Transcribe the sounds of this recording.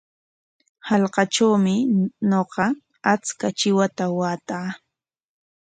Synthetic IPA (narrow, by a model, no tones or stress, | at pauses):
halqɑʈ͡ʂawmɪnoqɑ | at͡skat͡ʃɪwat̪awaːt̪aː